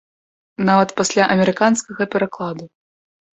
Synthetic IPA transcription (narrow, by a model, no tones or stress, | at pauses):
navɐt̪pasʲlʲaʔɐmʲɛɾɨkanskɐɣɐpʲɛɾaklˠad̪u